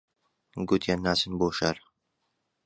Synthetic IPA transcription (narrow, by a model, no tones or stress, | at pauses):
ɡut̪ʰjanːaːsɨnboːʃɐɾ